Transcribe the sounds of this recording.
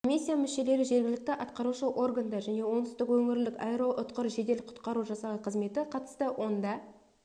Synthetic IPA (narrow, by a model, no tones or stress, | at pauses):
kʰomʲisʲːijamʏʃe̞le̞ɾɪʒe̞ɾɡʲɪlɪk̚t̪ɪʔɑt̪qɑɾuʃəʔo̞rɡand̪ɑʒæne̞wo̞nəst̪əkwɵŋɪɾlɪkɑjɾoʔʊt̪qəɾʒe̞d̪e̞lɪqʰʊ̥t̪qɑɾuʒɑsɑlˠəqʰəzme̞t̪ɪqʰɑt̪ə̥st̪əwʔo̞nd̪ɑ